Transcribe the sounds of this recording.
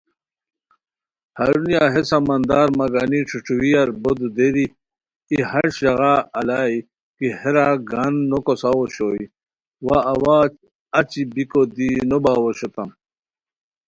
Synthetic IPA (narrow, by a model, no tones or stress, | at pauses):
hɐɾunijaɦesamɐnd̪aːɾmɐɡaːniʈ͡ʂʰuʈ͡ʂʰuwijaɾbod̪ud̪eɾiː | hɐɾɕɐɣaɐlaːi | kiheɾaɡanːokosawoɕoi | waːwaː | ɐt͡ɕibikod̪inobaːwoɕot̪am